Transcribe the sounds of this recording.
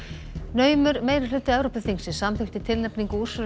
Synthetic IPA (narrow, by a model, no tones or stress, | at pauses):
nœːɥmʏɾmeːjɾɪ̥lʏt̪ːɪɛvɾowpʏθiŋsɪ̥samθʏxt̪ɪt̪ʰɪlnɛpniŋkuɾ̥svʏ